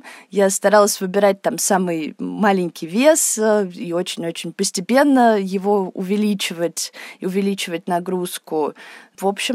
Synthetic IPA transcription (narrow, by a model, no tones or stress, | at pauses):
jast̪ɐɾalˠəsʲvɨbʲɪɾat̚ʲt̪amsamɨjmalʲɪnʲkʲɪjvʲesio̞t͡ɕɪnʲo̞t͡ɕɪnʲpəsʲtʲɪpʲe̞nːəjɪvo̞ʊ̰vʲɪlʲit͡ɕɪvətʲʊvʲɪlʲit͡ɕɪvətʲnɐɡɾuskʊvo̞pɕːɪ